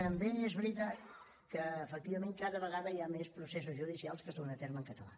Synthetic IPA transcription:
t̪əmbeezβɾit̪at̪ | kəːfək̚t̪iβəmẽŋkaðəβəɣaðəiamespɾuses̬uzʒuðisialˠskəzðonət̪eɾməŋkət̪əla̰

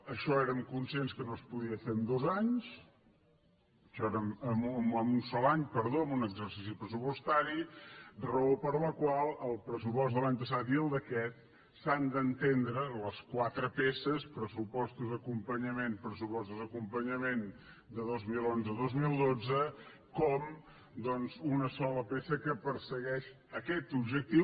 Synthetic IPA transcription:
əʃɔeɾəmkunsenskənoəspuðiəfeəmd̪ozaɲs | ʃɔeɾəməmməmunsɔlaɲpəɾðoəmunəɡzəɾsisipɾəsupust̪aɾirəopəɾləkwalˠəlˠpɾəsupɔst̪d̪əlaɲpəsat̪iəlˠd̪əkɛt̪̚ | sand̪ənt̪end̪ɾələskwat̪ɾəpesəspɾəsupɔst̪uzd̪əkumpəɲəmenpɾəsupɔst̪uzðəkumpəɲəmen | d̪əðozmilˠonzəðozmilˠd̪od͡zə | kɔm | d̪ɔnzunəsɔləpesəkəpəɾsəɣɛʃ | əkɛt̪ubʒək̚t̪iw

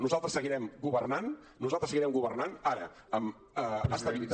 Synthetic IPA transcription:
nuzalˠt̪ɾəsəɣiɾɛmɡuβərnan | nuzalˠt̪ɾəsəɣiɾɛmɡuβərnanaɾə | əm | əəst̪əβilit̪

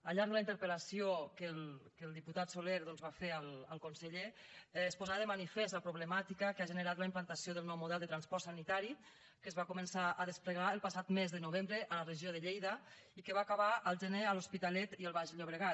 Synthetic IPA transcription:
əʎaɾðələint̪əɾpəlasiokəlkəlˠd̪iput̪at̪soleɾðɔnzβafeəlˠəlˠkunsəʎeːspozaðəmanifɛst̪əpɾuβləmat̪ikəkaʒənəɾat̪ləimplant̪asjoðəlˠnɔwmuðɛlˠd̪ət̪ɾanspɔɾsanit̪aɾi | kəzβakumənsaʔəðəspləɣ̞aəlˠpasat̪mezðənuβ̞embɾəʔələrəʒioðəʎejðə | ikəβaːkaβaʔəlˠʒəneəluspit̪alɛt̪iəlˠβaʒʎoβ̞ɾəɣa

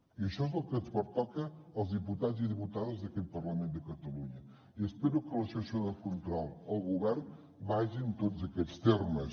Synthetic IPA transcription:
iəʃɔezəlˠkənzβəɾt̪ɔkəːlˠzðiput̪aziðiput̪aðəzðəkɛt̪̚pərləmend̪əkət̪əluɲə | iəspɛɾukələsəsoðəkunt̪ɾɔlˠəlˠɣuβɛɾn | baʒint̪ozəkɛt͡st̪erməs

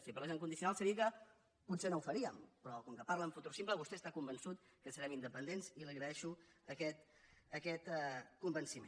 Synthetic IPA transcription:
sipəɾləʒẽŋkund̪is̬unalˠsəɾiəkə | pusenoufəɾiəmpɾɔkɔŋkəpaɾləɱfut̪ursimpləβust̪ɛəst̪akumbənsut̪kəsəɾɛmind̪əpənd̪enziliɣɾəɛʃuəkɛt̪ | əkɛt̪ɛkumbənsimẽn

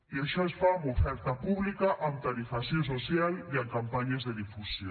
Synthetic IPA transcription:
iaʃɔesfaumofɛɾt̪apuβlikaʔant̪aɾifasjonsosjaliaŋkampaɲezðeðifusjo

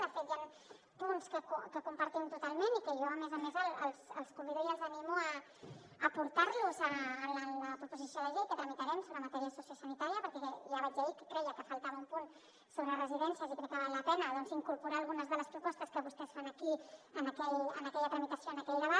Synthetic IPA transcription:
əfet̪jan | punskəkukəkumpəɾt̪imt̪ut̪alˠmenikəʒɔəmɛzəmezələlˠsəlˠskumbiðoɾzəlˠzənimuəː | puɾt̪arluzəːlələpɾupuzisjoðəʎejkət̪ɾəmit̪əɾɛmsoβɾəmat̪ɛɾiəsusjosənit̪aɾiəpəɾkɛʒaβazaikə̥kɾɛjəkəfəlˠt̪aβəumpun | soβɾərəziðɛnsjəzikɾɛkəβalːəpɛnəðɔnziŋkuɾpuɾaːlˠɣunəzðələspɾupɔst̪əskəβust̪ɛsfanəkiənəkɛʎə̰nəkɛʎət̪ɾəmit̪əsijoənəkɛʎd̪əβ̞at̪

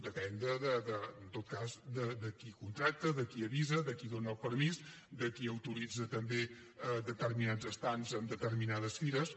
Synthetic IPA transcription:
d̪əpɛnd̪əðəðənt̪ot̪̚kazd̪əd̪əkikunt̪ɾak̚t̪əðəkiəβizəðəkiðonəəlˠpəɾmiz | d̪əkiəwt̪uɾid͡zət̪əmbe | əd̪ət̪ərminad͡zəst̪anzəmd̪ət̪ərminað̞əsfiɾəs

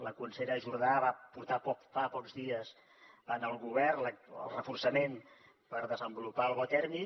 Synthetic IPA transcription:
ləkunseɾəʒuɾð̞aβapuɾt̪apɔkfapɔkzðiəz | ənəlˠɣuβɛrnləə̰lˠrəfursəmen | pəɾðəzəmbulupaəlˠβɔt̪ɛɾmi

